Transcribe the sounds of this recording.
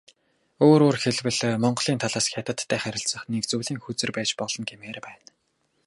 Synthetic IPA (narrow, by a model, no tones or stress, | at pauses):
oːɾoːrxeɮwɘ̆ɮmɔɴɢɞ̆ɮiːnt̪ʰaɮaːsxʲjat̪ə̆t̪ʰːæːχæɾʲɪ̆ɬt͡sə̆χnekt͡suːɮiːŋxut͡sɘ̆rpæːt͡ɕpɔɮɞ̆nɡemeːrpæːn